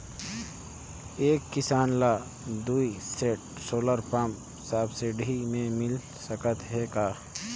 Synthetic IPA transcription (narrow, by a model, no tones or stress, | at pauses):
eːkːɪsaːnlaː | d̪uːiseːʈ̚ | soːləɾpam | saːbseɖʱimẽmɪl | səkət̪ɦɛkaː